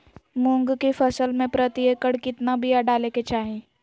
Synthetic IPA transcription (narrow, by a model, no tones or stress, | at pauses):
mʊ̃ŋɡkifɐsəlmẽpɾət̪iekəɽkɪt̪nabʱijaɖaːleket͡ʃaːɦẽː